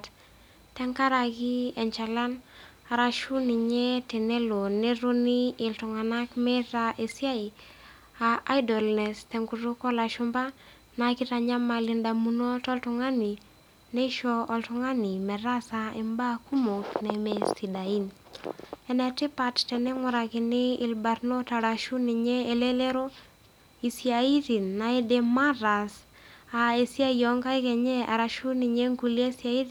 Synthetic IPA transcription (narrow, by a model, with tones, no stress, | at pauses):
t | tɛ˦ŋka˦ɾa˨ki˦ɛ˨ɲt͡ʃa˨la˦n | aɾa˨ʃu˦ni˨ɲɛ˦tɛ˨nɛ˦lo˨ne˦ɾo˦ni˦ɪ˨ltʊ˨ŋa˨na˦kmɛ˦taʔe˨si˦a˦i˨ | a˨ʔa˦jdɔ˨lnɛ˨stɛ˨ŋɡu˨ɾu˦kɔ˦la˨ʃʊ˦mba˦ | na˨ki˦ta˨ɲa˦ma˨lɪ˦nda˨mu˦nɔ˦tɔ˦ltʊ˨ŋa˦ni˨ | nɛ˦ʃɔ˦ɔ˨ltʊŋa˦ni˨mɛ˨ɾa˦sa˦ɛmba˦ku˦mo˨knɛ˨mɛ˨sti˨da˨i˦n | ɛ˨nɛ˨tɪ˦pa˨ttɛ˨nɛ˦ŋʊ˨ɾa˨kɪ˨nɪ˦ɪ˨lba˨rno˦ta˨ɾa˨ʃu˦nɪ˨ɲɛː˦˨lɛ˦lɛ˦ɾo˦ | i˨sja˨i˦ði˨nːa˨i˦dɛ˨ma˦ɾa˨s | a˨e˨si˦a˦jɔ˨ŋka˦i˦kɛ˨ɲɛ˦ʔa̰˨ɾa˨ʃu˦nɪ˨ɲɛ˦ŋɡu˨li˦e˦sja˦i˦ð